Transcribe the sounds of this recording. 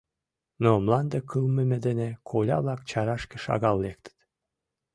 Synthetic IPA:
nomlˠɑnd̪ɤkʰɯlˠmɘ̆mĕd̪ĕnekʰolʲɑ̰βlˠɑk̚t͡ɕɑɾɑʃkĕʃɑ̰ɣɑlːek̚t̪ə̥t̪

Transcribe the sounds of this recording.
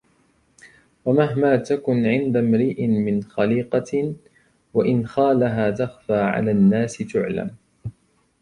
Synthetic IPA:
wamaɦmaːt̪akʊnʕɪnd̪amɾiːʔmɪnxaliːqɑ | waʔɪnxaːlaɦaːt̪axfaːʕa̰laːnːaːsɪt̪ʊʕla̰m

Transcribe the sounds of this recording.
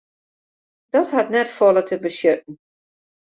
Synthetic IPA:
d̥ɔtɦatnɛtfɔlˠətʰəbəsjøt̚n̩

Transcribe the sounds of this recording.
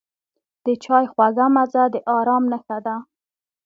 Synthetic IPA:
d̪̥ət͡ʃɑjxwaɣamazad̪əʔɑɾɑmnəxad̪a

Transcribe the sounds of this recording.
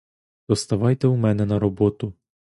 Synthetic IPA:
d̪̥ɔst̪ɐʋɑjt̪ɛumɛnɛnɐɾɔbɔt̪ʊ

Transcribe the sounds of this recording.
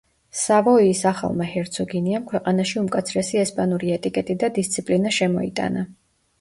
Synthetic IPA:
savɔisaχa̰lˠmahɛɾt̪sʰɔɡiniamkʰwɛqʼanaʃiumkʼat̪sʰɾɛsiɛspʼanuɾiɛt̪ʼikʼɛt̪ʼid̪ad̪ist̪sʰipʼlinaʃɛmɔḭt̪ʼa̰na

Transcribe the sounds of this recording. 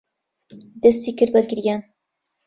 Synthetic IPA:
d̪ɐst̪iːkɨɾbɐɡɨɾjaːn

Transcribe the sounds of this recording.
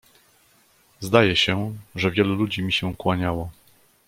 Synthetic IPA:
zd̪ajɛɕɛʐɛvʲjɛlulud͡ʑimʲiɕɛkwaɲawɔ

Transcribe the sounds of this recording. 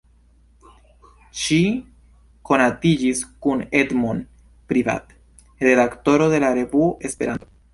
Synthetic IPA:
ʃi | ko̞natid͡ʒiskune̞dmon | pɾiva̰t | ɾe̞dakto̞ɾo̞de̞laɾe̞vuoʔe̞spe̞ɾanto

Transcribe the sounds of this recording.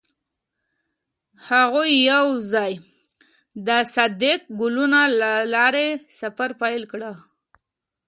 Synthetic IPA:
haɣujːawzɑj | d̪əsad̪ek̚ɡʊlunalɑɾesafaɾpajlkɽa

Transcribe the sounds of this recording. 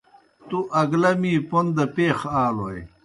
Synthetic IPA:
t̪uʔɐɡlɐmiːpond̪ɐpeːxaːloj

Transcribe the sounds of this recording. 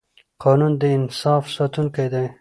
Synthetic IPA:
qɑnund̪əɪnsɑːfsɑt̪unkajd̪aj

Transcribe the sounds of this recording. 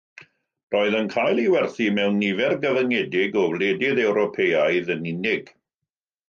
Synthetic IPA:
rɔːɨðənkʰaːjlˠiwɛrθimɛwnːivɛrɡəvəŋɛdɪɡɔvledɪðɛwɾɔpʰejajðənɪnɪɡ̥

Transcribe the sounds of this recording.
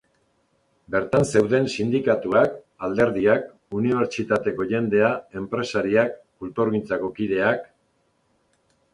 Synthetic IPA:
be̞ɾt̪anse̞wðe̞nsind̪ikat̪uak | ald̪e̞ɾðiak | uniβ̞e̞ɾt͡ʃit̪at̪e̞ko̞ʝe̞nd̪e̞ae̞mpɾe̞saɾiakː | ult̪oɾɣint͡sako̞kiðe̞ak

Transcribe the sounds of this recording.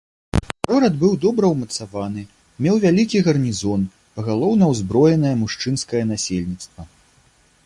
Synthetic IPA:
ɣɔɾɐd̪bɨwd̪ɔbɾɐwmɐt̪savan̪ɨ | mʲɛwvʲalʲikʲiɣɐrnʲizɔn | ɣalˠɔwnɐwzbɾɔjɛnɐjɐmuʂt͡ʂɨnskɐjɐnasʲelʲnʲit̪st̪vɐ

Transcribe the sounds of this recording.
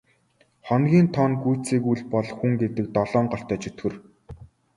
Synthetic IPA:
χɔnɡʲiːnt̪ʰɔnɡujʰt͡siːkujɮpɔɮxuŋɡet̪ɘ̆k̚t̪ɔɮɔːɴɢɔɬt̪œːt͡ɕʰɵt̪xɘ̆r

